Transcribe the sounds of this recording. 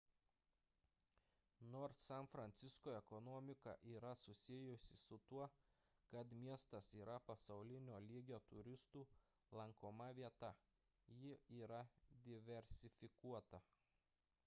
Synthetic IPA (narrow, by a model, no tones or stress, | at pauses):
noːɾssɛnfɾɐnʲt̪sʲɪskoːɛkɔnɔːmʲɪkɐʔiːɾɐsʊsʲɪjʊsʲɪsʊt̪uɔ | kɐt̪mʲiɛst̪ɐsiːɾɐpɐsɐʊlʲɪnʲoːlʲiːɡʲoːt̪ʊɾʲɪst̪uː | lˠɐŋkoːmɐʋʲiɛt̪ɐ | jɪiːɾɐd̪ʲɪʋʲɛɾʲsʲɪfʲɪkuɔt̪ɐ